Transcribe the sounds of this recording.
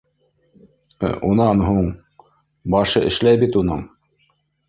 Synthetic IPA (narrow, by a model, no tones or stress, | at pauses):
unɑnɦuɴ | bɑʃɤʔɘ̰̆ʃlæjbit̪unɤɴ